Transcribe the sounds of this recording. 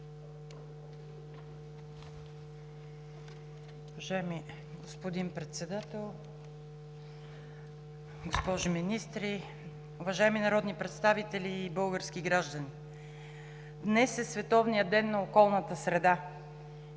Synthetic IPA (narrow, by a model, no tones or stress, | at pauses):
ʊvɐʒaɛmi | ɡospod̪inpɾɛt̪sɛd̪at̪ɛlˠ | ɡospɔʒiminist̪ɾi | ʊvɐʒaɛminɐɾɔd̪nipɾɛt̪st̪avit̪ɛlʲiːbɤlˠɡəɾskiɡɾaʒd̪əni | d̪nɛsɛsvɛt̪ɔvnijəd̪ɛnːɐokɔlˠnət̪əsɾɛd̪a